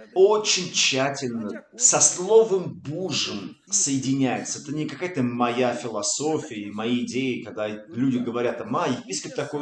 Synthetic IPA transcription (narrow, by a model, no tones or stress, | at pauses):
o̞t͡ɕɪnʲt͡ɕːætʲɪlʲnəsɐslˠo̞vəmbuʐəm | səjɪdʲɪnʲæjɪt̪səɛt̪ənʲɪkɐkajət̪əmɐjafʲɪlˠɐso̞fʲɪəmɐjeɪdʲejɪkɐɡ̚d̪alʲudʲɪɡəvɐɾʲat̪amajɪpʲisʲkəp̚t̪ɐkoj